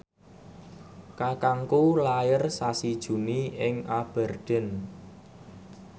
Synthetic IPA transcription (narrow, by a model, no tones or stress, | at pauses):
kakaŋkulajɪrsasid̥ʒ̥ṳniɪŋab̥ɛ̤rd̪̥ɛ̤n